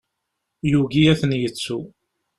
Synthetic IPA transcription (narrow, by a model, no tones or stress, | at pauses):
juɡiæθənjət͡sːu